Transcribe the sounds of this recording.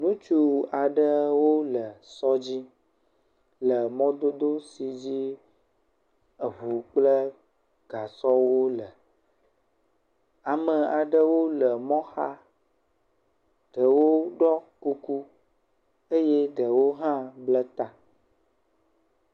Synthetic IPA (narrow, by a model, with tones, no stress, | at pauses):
nũ˦t͡ʃu˦a˨ɖə˦wo˦lə˨sɔ˦d͡ʑi˦ | lə˨mɔ̃˦d̪o˦d̪o˦si˨d͡ʑi˦ | ə˨vu˨k͡plə˦ | ɡ̥a˨sɔ˦wo˦lə˨ | a˨mə˨a˨ɖə˦wo˦lə˨mɔ̃˦xa˦ | ɖ̥ə˨wo˦ɖɔ˦ku˦ku˦ | e˦je˦ɖə˨wo˦ɦã˦blə˦t̪a˦